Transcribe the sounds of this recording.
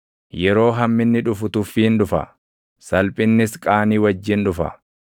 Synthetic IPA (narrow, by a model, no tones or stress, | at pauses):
jɛɾo̞ːɦɐmːɪnːɪᶑʊfʊt̪ʊfːiːnᶑʊfɐ̰ | sɐlpʼɪnːɪskʼaːniːwɐd͡ʒːɪnᶑʊfɐ̰